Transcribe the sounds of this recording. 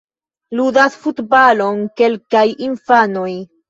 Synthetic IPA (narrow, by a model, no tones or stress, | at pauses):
ludasfutbalo̞nke̞lkajinfanoj